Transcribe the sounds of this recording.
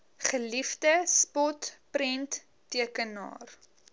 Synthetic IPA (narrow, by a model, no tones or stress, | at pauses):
χəlifdəspɔtprɛntː | iəkənɑ̰ːr